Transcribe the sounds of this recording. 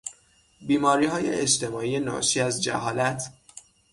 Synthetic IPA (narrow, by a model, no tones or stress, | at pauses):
biːmɒːɾiːhɒːjḛed͡ʒt̪e̞mɒːiːjenɒ̰ːʃiːæzd͡ʒæ̰ɦɒːlæt̪ʰ